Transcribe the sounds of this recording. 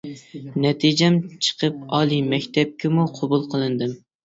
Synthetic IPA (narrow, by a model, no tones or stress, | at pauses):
nɛt̪ʰid͡ʒɛmt͡ʃʰə̥qʰəp̚ɑːlˠimɛkʲt̪ʰɛp̚kʲɪmuqʰobulˠqʰəlˠɨnd̪ɨm